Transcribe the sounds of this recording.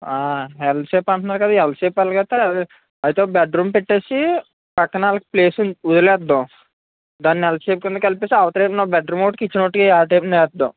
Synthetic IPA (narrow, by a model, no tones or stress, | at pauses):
aːɦɛlɖseːpɐɳʈunːaːɾkɐd̪aːɛlseːpaːlɐɡɐt̪ːa | ɐjt̪eːbɛɖɾuːmpeʈːe̞ːsi | pɐkːɐnaːlɐki̥pleːsud̪ɐlɛːd̪ːo | d̪aːnːiɛlseːpkund̪ɐkɐlipeːsiɐʋɐt̪ɐɾeːnobɐɖɾuːmoʈkit͡ʃːinoʈːikiaːʈɐmnɛːd̪ːõ̰